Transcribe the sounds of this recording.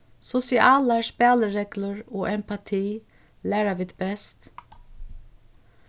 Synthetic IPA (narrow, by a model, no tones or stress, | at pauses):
sʊsɪʔɑːlæːʂpɑːləɹeːɡləɹoːʔɛmpʰɑt̪ʰiː | læːɾaʋɪt̪bɛst̪